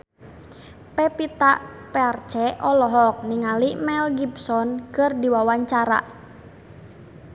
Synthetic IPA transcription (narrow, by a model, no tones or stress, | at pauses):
pɛpit̪a̰ʔpɛart͡ʃɛʔɔlɔɦɔk̚niŋalimɛlɡibsɔnkɨrdiwawaɲt͡ʃaɾa̰